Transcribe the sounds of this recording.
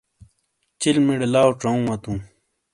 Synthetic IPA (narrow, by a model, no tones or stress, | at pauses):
t͡ɕilmiɽelaːwʈ͡ʂɐũwɐt̪ũː